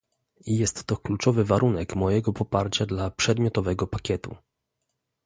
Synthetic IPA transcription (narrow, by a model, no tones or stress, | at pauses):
ijɛst̪ːɔklut͡ʂɔvɘvaɾunɛkmɔjɛɡɔpɔpaɾt͡ɕad̪lapʂɛd̪mʲjɔt̪ɔvɛɡɔpakʲjɛt̪ṵ